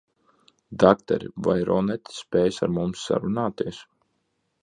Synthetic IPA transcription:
d̪akt̪ɛ̰ɾḭvajɾɔnɛt̪ʲi̥spʲɛːjsaɾmumsːa̰ɾunaːt̪iɛs

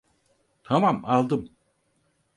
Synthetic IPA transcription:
t̪ʰamamalˠd̪ɯm

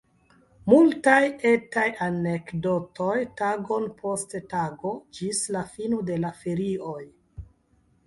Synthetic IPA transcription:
multajetajanekdo̞tʰo̞jtaɡo̞npʰo̞sttaɡo̞d͡ʒislafinode̞lafeɾioj

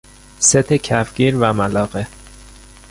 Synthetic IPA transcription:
set̪ʰecʰæfɟ̥ʲiːɾvæmælɒːɣe

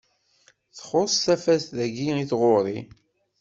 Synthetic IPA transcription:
θχosˤθæfæsðæɡiiθʁoɾˤḭ

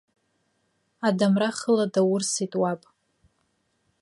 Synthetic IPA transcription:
adamraχəladawʊrsitʼwapʼ

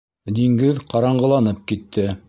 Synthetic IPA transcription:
d̪iŋɡɘðqɑɾɑɴɢɤ̆lˠɑnɤp̚kit̪ʰːɘ

